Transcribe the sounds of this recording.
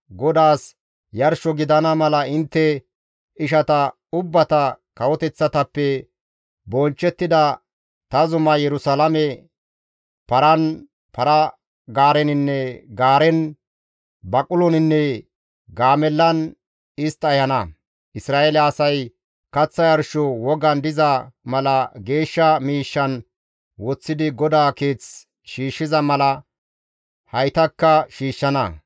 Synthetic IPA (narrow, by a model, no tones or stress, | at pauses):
ɡɔd̪aːs | jɐɾʃɔɡɪd̪ɐnɐmɐlɐɪnt̪ːɛ | ɪʃɐt̪ɐ | ʊbːɐt̪ɐkɐwɔt̪ɛt͡sːɐt̪ɐpːɛ | bɔnt͡ʃːɛt̪ːɪd̪ɐ | t̪ɐzʊmɐjɛɾʊsɐlɐmɛ | pɐɾɐn | pɐɾɐ | ɡaːɾɛnɪnːɛɡaːɾɛn | bɐkʼʊlɔnɪnːɛ | ɡaːmɛlːɐn | ɪst̪ɐjɐnɐ | ʔɪsɾaːʔelɛɐsɐj | kɐt͡sːɐjɐɾʃɔwɔɡɐnd̪ɪzɐmɐlɐɡe̞ːʃːɐmiːʃːɐn | wɔt͡sːɪd̪ɪɡɔd̪aːke̞ːt͡s | ʃiːʃːɪzɐmɐlɐ | hɐjt̪ɐkːɐʃiːʃːɐnɐ̰